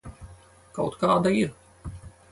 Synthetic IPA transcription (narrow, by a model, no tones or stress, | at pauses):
ka̰wt̪kaːd̪aiɾ